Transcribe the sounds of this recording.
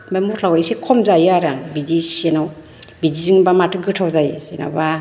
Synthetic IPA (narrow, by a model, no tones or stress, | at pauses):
bamɔtʰlawajsikʰɔmzajaɾaŋbid͡ʒisenaw | bid͡ʒiziŋbamatʰɯɡɯtʰawzajsena̰ba